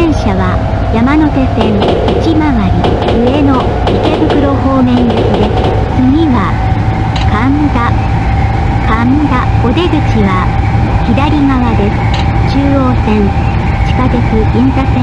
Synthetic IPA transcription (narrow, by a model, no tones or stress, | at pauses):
ẽɰ̃ɕaβa | jamano̞t̪e̞sẽ̞ŋ | it͡ɕimaβaɾʲi | ɯ̟e̞no̞ | ike̞bɯkɯ̟ɾo̞ho̞ːmẽ̞ñːosid̪esɨ̥ | t͡sɨɡʲiβa | kãnɡ̪a | kãnd̪ao̞d̪e̞ɡɯ̟t͡ɕiβa | çid̪aɾʲiŋaβad̪e̞sɨ̥ | t͡ɕɨːo̞ːsẽ̞ŋ | t͡ɕi̥kad̪ekɯ̟ĩntasẽ